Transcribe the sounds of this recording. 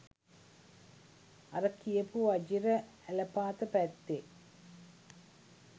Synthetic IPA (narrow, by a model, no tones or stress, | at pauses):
ɐɾɐkːijɐpuʋɐd͡ʒiɾɐ | ælɐpaːt̪ɐpæt̪ːe